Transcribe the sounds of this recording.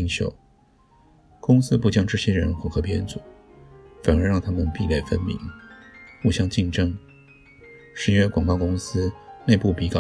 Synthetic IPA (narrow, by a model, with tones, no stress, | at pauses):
ŋɕjo̰˨˩˦ʊ | kʊ˥ŋsɹ̩˥pu˥˩t͡ɕjɑ˥ŋʈ͡ʂɤ˥˩ɕjɛ˥ɻə̰˧˥nxxɤ˧˥pjɛ˥nt͡su˨˩˦ | fa˨˩nə˞˧˥ɻɑ˥˩ŋt̪ʰa˥mə˨npi˥˧ljɛ˥˩fə˥nmḭ˧˥ŋ | u˥˩ɕjɑ˥˧ŋt͡ɕi˥˩nʈ͡ʂɤ˥ŋ | ʂɻ̩˧˥ɥɛ˥kwɑ˨˩ŋkɑ˥˧ʊkʊ˥ŋsɹ̩˥ne˥˧ɪpu˥˩pi˧˥kɑ˨˩